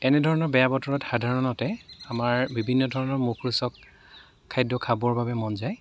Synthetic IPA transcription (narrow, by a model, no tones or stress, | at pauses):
ɛnɛdʱɔɹɔnɔɹbɛjabɔtɔɹɔtxadʱaɹɔnɔtɛamaɹbibʱinːɔdʱɔɹɔnɔɹmukʰɹusɔkʰː | ajdɔkʰabɔɹbabɛmɔnzaj